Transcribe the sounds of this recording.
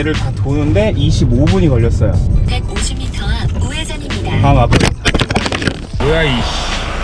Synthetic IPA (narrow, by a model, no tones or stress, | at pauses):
eɾɯɭtatʰonɯnde̞ʔiɕʰibobuɲikʌʎːʌs͈ʌjo̰ | kaŋapʰa | eaiɕi